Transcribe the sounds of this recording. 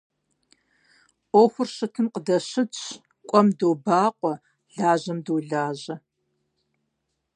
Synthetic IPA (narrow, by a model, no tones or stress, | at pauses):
ʔʷoxʷʊrɕɨtʰɨmqədɐɕɪɕʰ | kʷʼɔmdoːbaːqʷʼɔ | ɮaːʑɐmduːɮaːʑɐ